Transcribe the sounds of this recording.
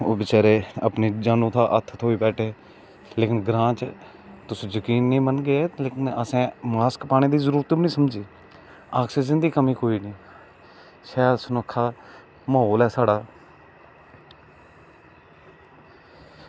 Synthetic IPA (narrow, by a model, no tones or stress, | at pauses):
oːbɪt͡ʃaːɾeːə̰pneːd͡ʒaːnõːt̪ʰaːʔət̪ʰːət̪ɦoːiːbɛːʈʰeː | leːkɪnɡɾãːt͡ʃ | t̪ʊsĩzəkiːnːĩːmənɡeeleːkɪnəsẽːmaːskpaːɽ̃eːd̪iːzəɾuːɾət̪ːbnĩːsəmd͡ʒiː | aːksesɪnd̪iːkəmĩːkoːiːniː | ʃɛːɾsʊnəkʰːaː | məɦoːlɛːsaːɽaː